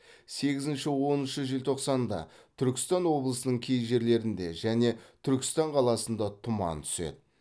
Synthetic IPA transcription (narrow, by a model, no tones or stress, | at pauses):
se̞ɡʲɪzɪnʃɪwo̞nənʃəʒɪlt̪ʰoqsɑnd̪ɑ̰t̪ʰʏɾkʲɪ̥st̪ɑnwo̞blˠəsənəɴkʲʰe̞jʒe̞ɾle̞ɾɪnd̪e̞ʒæne̞t̪ʰʏɾkʲɪ̥st̪ɑɴqʰɑlˠɑsənd̪ɑt̪ʰʊmɑ̰nt̪ʰʏ̥se̞̰d̪ɪ